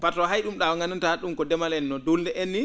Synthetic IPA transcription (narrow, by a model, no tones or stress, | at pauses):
patɔɦajɗumɗawaŋɡanantaaɗumkɔdɛmalɛnːɔdolndɛʔenːi